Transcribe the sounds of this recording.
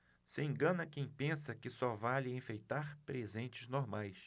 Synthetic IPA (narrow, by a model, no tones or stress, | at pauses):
sɪẽŋɡɐ̃nɐkẽj̃pẽsɐkɪsɔvalɪẽfejt̪aɾpɾezẽnt͡ʃɪznoɾmajs